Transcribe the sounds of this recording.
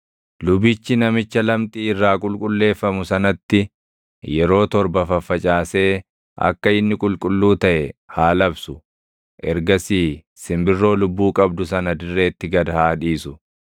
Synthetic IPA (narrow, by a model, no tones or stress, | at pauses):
lʊbɪt͡ʃːɪnɐmɪt͡ʃːɐlɐmt̪ʼiːɪrːaːkʼʊlkʼʊlːe̞ːfːɐmʊsɐnɐt̪ːɪ | jɛɾo̞ːt̪ɔɾbɐfɐfːɐt͡ʃʼaːse̞ː | ʔɐ̰kːɐɪnːɪkʼʊlkʼʊlːuːt̪ɐʔɛhaːlɐbsʊ | ʔɛɾɡɐsiː | sɪmbɪrːo̞ːlʊbːuːkʼɐbd̪ʊsɐnɐd̪ɪrːe̞ːt̪ːɪɡɐd̪ɐhaːᶑiːsʊ